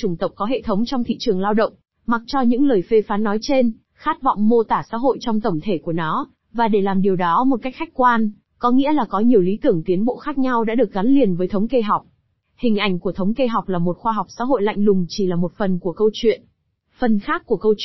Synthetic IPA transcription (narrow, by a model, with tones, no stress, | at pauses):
t͡ɕʊ˧˩ŋ͡mt̪ə˨˩wk͡p̚kːɔ˨˦ɦḛ˧˨t̪ʰə˨˦wŋ͡mt͡ɕɔ˧wŋ͡mt̪ʰḭ˧˨t͡ɕɨ˨˩əŋlaː˧wɗə̰˧˨wŋ͡m | ma˨˩k̚t͡ɕɔ˧ɲɨ̰˧˥ŋləː˨˩jfe˧faː˨˦nːɔ˨˦jt͡ɕe˧n | xaː˦˥t̚vɔ̰˧˨wŋ͡mmo˧t̪aː˧˩sa̰ː˧˥ɦo̰˧˨jt͡ɕɔ˧wŋ͡mt̪ə˧˩ŋ͡mt̪ʰe˧˩ku˧˩ənɔ˨˦ | vaː˨˩ɗe˧˩laː˨˩mɗi˨˩əwɗɔ˨˦mo˨˩t̚ka˦˥k̟̚xa˦˥jk̟̚kwaː˧n | kɔ˨˦ŋḭ˧˥əlaː˨˩kɔ˨˦ɲi˨˩əwli˨˦t̪ɨ˧˩əŋt̪i˨˦ənɓo̰˧˨xaː˦˥k̚ɲa˧wɗa̰ː˧˥ɗɨ˨˩ək̚ɣa˨˦nli˨˩ənvəː˨˦jt̪ʰə˨˦ŋ͡mke˧ɦa˨˩wk͡p̚ | hï˨˩ŋ̟ʔa˧˩jŋ̟ku˧˩ət̪ʰə˨˦wŋ͡mke˧ɦa˨˩wk͡p̚laː˨˩mo˨˩t̚xwaː˧ɦa˨˩wk͡p̚sa̰ː˧˥ɦo̰˧˨jla̰˧˨jŋlʊ˨˩ŋ͡mt͡ɕi˧˩laː˨˩mo˨˩t̚fə˨˩nku˧˩əkə˧wt͡ɕwḭ˧˨ən | fə˨˩nxaː˦˥kːu˧˩əkə˧w